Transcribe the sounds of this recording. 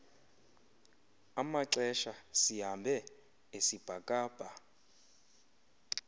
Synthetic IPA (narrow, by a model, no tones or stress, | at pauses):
amaǀɛʃasiɦambʱɛ | esib̥ʱakʼaːb̥ʱa